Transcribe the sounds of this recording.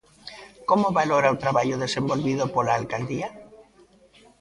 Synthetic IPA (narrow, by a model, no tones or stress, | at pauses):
komoβaloɾault̪ɾaβaʎoðesembolβiðopolaːlkald̪ia